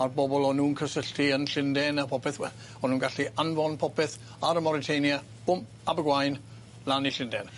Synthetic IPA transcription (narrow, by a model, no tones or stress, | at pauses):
arbɔbɔlˠɔnuːnkʰəsəɬtʰiənɬɪndɛnapʰɔpʰɪθwɛ | ɔnuːnɡaɬiʔanvɔnpʰɔpɪθ | aɾəmɔɾɪtʰejnjə̥ | ʊm | abəɡwajn | laniɬɪndɛn